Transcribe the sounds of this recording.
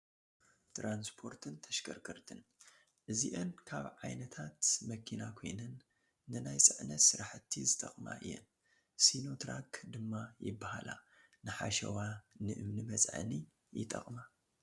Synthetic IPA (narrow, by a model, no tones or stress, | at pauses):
t̪ɾanspʰo̞ɾt̪ʰɨnt̪ʰɐʃkʰɐ̰ɾkʰɨɾt̪ʰɨn | ʔɨziʔɨnkʰaβʕajnɐt̪ʰat̪mɐkʰinakʰo̞̰jnɐnː | ɨnajt͡sʼɨʕnɐsɨɾaħt̪ʰːizɨt̪ʼɐχʼma̰ʔɨ̰jːɛ̰n | sino̞t̪ʰɾakʰd̪ɨmːajɪbːahala̰nɨħa̰ʃɐ̰wanɨʔɨmnimɐt͡sʼʕɨ̰ni | jɪ̰t̪ʼɐ̰χʼma